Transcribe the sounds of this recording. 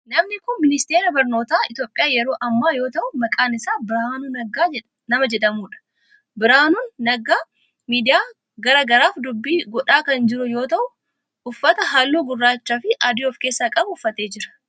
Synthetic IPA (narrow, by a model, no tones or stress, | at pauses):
nɐmnɪkʊnmɪnɪst̪e̞ːɾɐbɐɾno̞ːt̪aːɪt̪joːpʼɪjaːjɛɾo̞ːʔɐmːaːjo̞ːt̪ɐʔʊmɐkʼaːnɪsaːbɪɾaːnuːnɐɡaː | nɐmɐd͡ʒɛᶑ̪ɐmuːᶑɐ̥ | bɪɾaːnuːnːɐɡaː | miːd̪ɪjaː | ɡɐɾaːɡɐɾaːfd̪ʊbːiːɡɔᶑaːkɐnd͡ʒɪɾʊjo̞ːt̪ɐʔʊ | ʊfːɐt̪ɐɦaːlːuːɡʊrːaːt͡ʃːafɪʔaːd̪iɔfkeːsːaːkʼɐbʊfːɐt̪e̞ːd͡ʒɪɾɐ̥